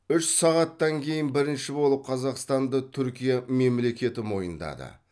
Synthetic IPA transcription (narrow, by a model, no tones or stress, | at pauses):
ʏʃsɑʁɑt̪ːɑŋkʲʰe̞jɪnbɪɾɪnʃɪbo̞lˠəp̚qʰɑzɑqst̪ɑnd̪ət̪ʰʏɾkʲijɑme̞mle̞kʲe̞t̪ɪmo̞jənd̪ɑ̰d̪ə̰